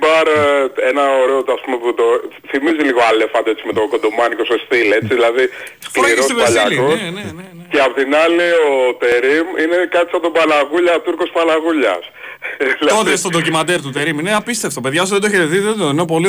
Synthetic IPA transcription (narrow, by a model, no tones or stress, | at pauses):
bɐɾenɐoɾeot̪ɐspumeput̪o | θimiziliɣoɐlefɐnd̪oet͡simet̪okod̪omɐniko̞sost̪ile̞t͡siðilɐðisklɾossipeɐʎɐikoenene | ceɐpot̪inɐliot̪e̞ɾiminekɐt̪isapot̪obɐnɐɣuʎɐt̪uɾkospɐnɐɣuʎɐ̰s | iloðest̪od̪ocimɐd̪eɾt̪ut̪eɾimineɐpist̪eft̪o̞pe̞ðjʝɐs̬uðed̪oçeɾet̪iðeoinep̬o̞li